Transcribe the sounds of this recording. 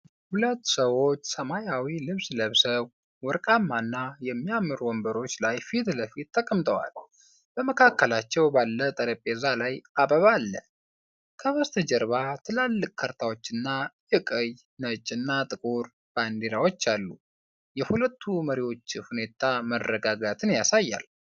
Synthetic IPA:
hulət̪ːsəwo̞t͡ʃːsəmajawilɨβsləβsəβ | wɔɾkʼamːanːajɛmːijamːɨɾwɔmbəɾo̞t͡ʃːlajfit̪ləfit̪ːʰəkʼəmt̪ʼəwa̰l | b̥əməkʰakːəlat͡ʃːɛwbalːət̪ʼəɾəpʼːezalajabəβalːə̰ | kʰəβəst̪ʰəd͡ʒɛɾβat̪ʰɨlalːɨkʼkʰəɾt̪ʰawot͡ʃːɨnːajɨkʼəj | nət͡ʃʼːɨnːat̪ʼɨkʼuɾ | b̥and̪eɾawo̞t͡ʃːalːu | jɛhulət̪ʰːuməɾiwo̞t͡ʃːhune̞t̪ʰamərːəɡaɡat̪ʰɨnjasajːa̰l

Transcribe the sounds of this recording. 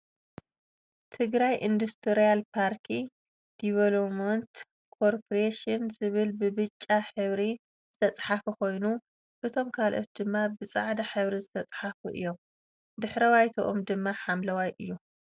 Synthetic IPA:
t̪ʰɨɡɾajʔind̪ust̪ʰɨɾijalpʰaɾkʰi | d̪̥iβɐlomɐnt̪ | kʰoɾpʰoɾeʃɨnzɨβɨlbɨbɨt͡ʃʼːaħɨβɾi | z̥ɨt̪ʰɐt͡sʼħafuko̞jnu | ʔɨt̪ʰo̞mkʰalʔo̞̰t̪̚d̪ɨmːabɨt͡sʼa̰ʕd̪aħɨβɾizɨt̪ʰɐt͡sʼħafṵʔɨ̰jːo̞m | d̪ɨħɾɐwajt̪ʰoʔomd̪ɨmːaħamlɐwajʔɨ̰jːu

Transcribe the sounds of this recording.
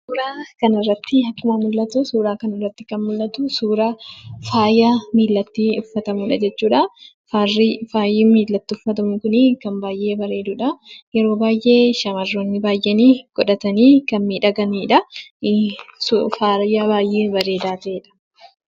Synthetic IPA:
suːɾaːkɐnɪrːɐt̪ːɪɐkːʊmɐmʊlːɐt̪ʊsuːɾaːkɐnɐrːɐt̪ːɪkɐnmʊlːɐt̪ʊsuːɾaːfaːjaːmiːlːɐt̪ːiːʊfːɐt̪ɐmuːᶑɐd͡ʒɛt͡ʃːuːᶑɐ | farfaːjiːmiːlːɐt̪ːɪʊfːɐt̪ɐmʊŋkʊnɪkɐmbaːjʔe̞ːbɐɾe̞ːd̪ʊᶑɐjɛɾo̞ːbaːjʔe̞ːʃɐmɐrːoːnːɪbaːjʔɛniːɡ̥ɔᶑɐt̪ɐniːkɐnmiːᶑɐɡɐniːᶑɐ | sfajaːbaːjʔe̞ːbɐɾe̞ːd̪aːt̪ɐʔeːᶑɐ̥

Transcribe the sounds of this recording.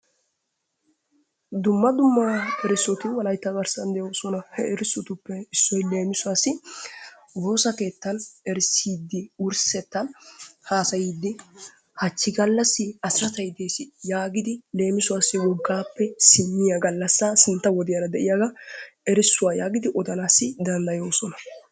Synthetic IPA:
d̪ʊmːɐd̪ʊmːaɛɾɪsːɔt̪ʊwɐlɐjt̪ːɐbɐɾsɐnd̪ɛjosɔnɐhɛɛɾɪsɔt̪ʊpːɛɪsːɔjle̞ːmɪsʊwasːɪ | wo̞ːsɐke̞ːt̪ːɐnɛɾsiːd̪ːɪʊɾsɛt̪ːɐnhaːsɐjiːd̪ːɪ | hɐt͡ʃːɪɡɐlːɐsːɪɐsɐt̪ɐjd̪eːsɪjaːɡɪd̪ɪle̞ːmɪsʊwaːsːɪwɔɡːaːpːɛsɪmːɪjɐɡɐlːɐsːɐsɪnt̪ːɐwɔd̪ɪjɐɾɐd̪ɛʔɪjaɡɐɛɾɪsːʊwaːjaːɡɪd̪ɪʔɔd̪ɐnaːsːɪd̪ɐnd̪ɐjoːsɔnɐ

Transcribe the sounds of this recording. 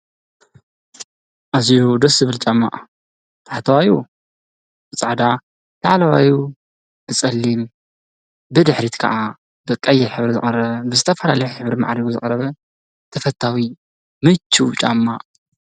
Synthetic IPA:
ʔazijud̪ɐszɨβɨlt͡ʃʼamːa̰ʔ | t̪ʰaħt̪ʰɐwaju | bɨt͡sʼaʕd̪a | t̪ʰaʕalɐwaju | b̪ʰɨt͡sʼɐlːim | bɨd̪ɨħɾit̪kʰɐ̰ʔa | bɨkʼɐjːɛɾħɨβɾizɨχʼɐɾɐβbɨzɨt̪ʰɐfɐlalɐjuħɨβɾima̰ʕɾiɡuzɨ̰χʼɐɾɐβɐ | t̪ʰɐfɐt̪ʰːawi | mɨt͡ʃʰːut͡ʃʼamːa̰ʔʼ

